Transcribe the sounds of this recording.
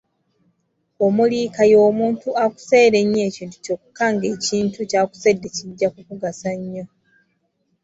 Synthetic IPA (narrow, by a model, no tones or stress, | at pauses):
omuliːkajo̞ːmuːntuaku̥se̞ːɾe̞ɲːe̞ːciːntu̥co̞ːku̥kaŋɡe̞ːciːntucaːku̥se̞dːe̞ciɟːakukuɡasaɲːo̞